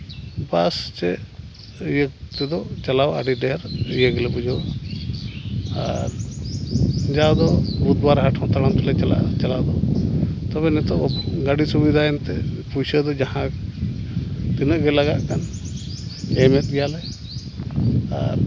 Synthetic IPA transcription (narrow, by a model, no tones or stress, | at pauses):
bast͡ʃɛ | jət̪ɛd̪ɔt͡ʃalawa̰ɖiɖɛɾijəɡɛlɛbud͡ʒʱɔ | aɾ | d͡ʒawd̪ɔbud̪baɾɦaʈʰɔ̃t̪aɽamt̪ɔlɛt͡ʃala̰t͡ʃalawd̪ɔt̪ɔbɛnɛt̪ɔʔɡaɖisubid̪ʱaɛnt̪ɛpusəd̪ɔd͡ʒahã | t̪inəʔɡɛlaɡaʔkan | ɛmɛt̪̚ˀɡɛjalɛ | a̰ɾ